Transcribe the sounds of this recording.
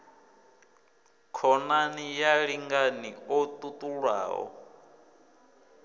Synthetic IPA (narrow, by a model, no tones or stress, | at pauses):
kʰɔnanijaɺiŋɡaniɔt̪ʼut̪ʼuɺwa̰ːɦɔ̰